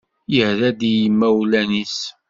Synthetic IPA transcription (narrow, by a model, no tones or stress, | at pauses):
jəhðæd̪ijəmːæwlænis